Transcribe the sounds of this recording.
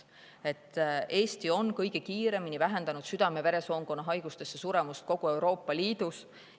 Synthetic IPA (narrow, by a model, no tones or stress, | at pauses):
e̞t̪ːˑʔe̞ːst̪io̞nkɤ̞jɡ̥ekiːɾe̞minivæɦe̞nd̪ɑnud̪syd̪̥ɑme̞ve̞ɾe̞so̞ːŋɡo̞nːɑɦɑjɡ̥ust̪e̞sːesuɾe̞must̪̚ko̞ɡ̥ue̞wɾo̞ːpːˑɑliːd̪̥us